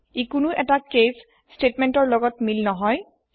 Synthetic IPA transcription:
ekʊnʊʔɛtakes | stetmɛntɔɹlɔɡɔtmilnɔɦɔj

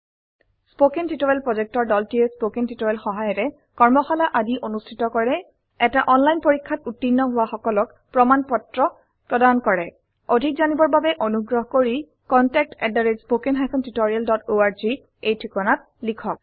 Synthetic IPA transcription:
spokentitoɹɛlpɹɔzɛk̚tɔɹdɔltiespokentitoɹɛlxɔɦajɔtɛ | kɔɹmɔxalaʔadiʔonustʰitɔkɔɹɛ | ɛtaʔɔnlajnpoɹikʰːatutːinːɔɦʊwaxɔkɔlɔk | pɹɔmanpɔtɹɔ | pɹɔdankɔɹɛ | odʱik̚zanibɔɹbabɛʔonuɡɹɔɦɔkoɹi | kɔntɛk̚tɛdaɹed͡ʒspokenɦajkʰɔntitoɹialdɔtoaɹzi | ejtʰikɔnat̚ | likʰɔk̚

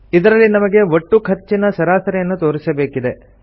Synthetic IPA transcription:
id̪ɐɾɐlːinɐmɐɡe̞oʈːukʰɐt͡ʃːinɐsɐɾaːsɐɾɛjɐnːut̪o̞ːɾisɐbe̞ːkid̪e̞

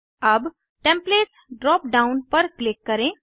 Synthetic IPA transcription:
əb | ʈẽmpleːʈsɖɾɔːp̚ɖaʊnpəɾklɪkːəɾẽ

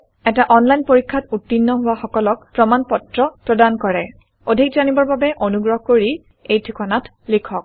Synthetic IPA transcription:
ɛtaʔɔnlajnpoɹikʰːatutːinːɔɦʊwaxɔkɔlɔk̚pɹɔmanpɔtɹɔpɹɔdankɔɹɛ | odʱikzanibɔɹbabɛʔonuɡɹɔɦkoɹi | ejtʰikʰɔnat | likʰɔk̚

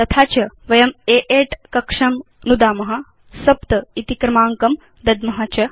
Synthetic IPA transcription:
t̪ɐt̪ʰaːt͡ʃɐʋɐjɐmeʔeːʈkɐkʂɐm | nud̪aːmɐɦa | sɐpt̪ɐit̪ikɾɐmaːŋkɐm | d̪ɐd̪mɐɦat͡ʃɐ

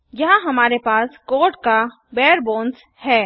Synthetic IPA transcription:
jɐɦãɦɐmaːɾepaːskoːʈka | bɛːəɾboːns | hɛː

